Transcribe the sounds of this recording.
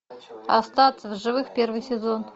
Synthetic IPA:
ɐ̰st̪ɑt̪səvʐɨvɨxpʲervɨjsʲɪzon

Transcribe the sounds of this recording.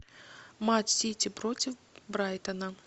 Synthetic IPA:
matʲsʲitʲɪpɾotʲɪfbɾajt̪ənə

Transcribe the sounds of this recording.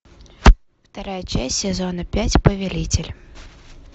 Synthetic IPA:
wt̪aɾajɐt͡ʃasʲsʲɛzɔnɐpʲat͡sʲpɐvʲɛlʲit͡sʲɪlʲ

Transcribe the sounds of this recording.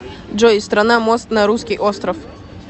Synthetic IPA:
ʐɔst̪ɾɐnamost̪nɐɾuskʲɪjʔost̪ɾəf

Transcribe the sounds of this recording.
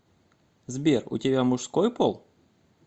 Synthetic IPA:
zbʲerʊ̰tʲɪbʲamʊʂskojpolˠ

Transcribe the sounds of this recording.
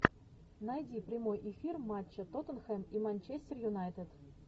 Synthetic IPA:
nɑjdʲiprʲimojʔefʲirmɑt͡ɕːɤ̆t̪ot̪ɤ̆nxemimɑnʲt͡ɕesʲtʲerjunɑjt̪et̪ʲ

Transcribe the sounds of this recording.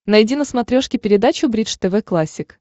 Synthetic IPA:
nɐjdʲinəsmɐt̪ɾʲoʂkʲɪpʲɪɾʲɪd̪at͡ɕʊbɾʲiʂt̪ɛvɛklˠasʲːɪk

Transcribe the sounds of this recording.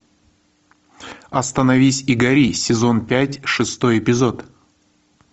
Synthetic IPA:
ɐst̪ənɐvʲisʲɪɡɐɾʲisʲɪzo̞npʲætʲʂɨst̪o̞jɪpʲɪzo̞t̪

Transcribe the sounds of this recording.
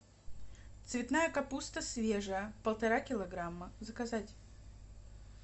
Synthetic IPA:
t̪svʲɪt̪najəkɐpust̪əsvʲeʐəjəpəlˠt̪ɐɾakʲɪlˠɐɡɾamːəzəkɐzatʲ

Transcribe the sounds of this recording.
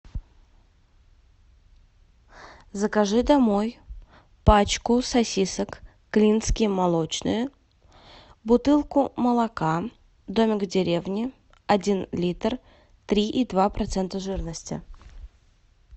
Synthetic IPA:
zəkaʐɨd̪ɐmo̞j | pat͡ɕkʊsɐsʲisəkː | lʲinskʲɪjəmalˠot͡ɕnɨ̰jə | bʊt̪ɨlˠkʊməlˠɐka | d̪omʲɪkdʲɪɾʲe̞vnʲɪ | ɐdʲinlʲit̪r | t̪ɾʲiʔid̪vapɾɐt̪sɛnt̪əʐɨrnəsʲtʲɪ̰

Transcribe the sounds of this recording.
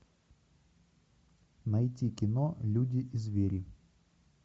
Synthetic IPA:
nɐjtʲikʲɪnɔlʲudʲiʔizʲvʲeɾʲi

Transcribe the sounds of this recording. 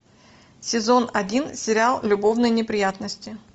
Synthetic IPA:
sʲɪzo̞nɐdʲinsʲɪɾʲɪalˠlʲʊbo̞vnəjnʲɪpɾʲɪjat̪nəsʲtʲɪ

